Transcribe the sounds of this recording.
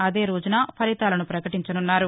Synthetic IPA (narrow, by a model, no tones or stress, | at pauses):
ɐd̪e̞ːɾoːd͡ʒunɐːpʰɐɾit̪aːlɐnupɾɐkɐʈiɲt͡ʃɐnunːaːɾu